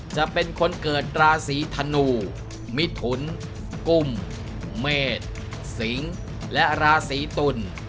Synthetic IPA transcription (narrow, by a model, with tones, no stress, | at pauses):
t͡ɕa˨˩ʔpe˧nkʰo˧nkɤː˨˩t̪̚ɾaː˧siː˩˦t̪ʰa˧nuː˨˧˩ | mi˦˥t̪ʰu˩˦n | ku˨˩mː | eː˨˩t̪̚ | si˩˦ŋ | lɛ˦˥ʔɾaː˧siː˩˦t̪u˨˧˩n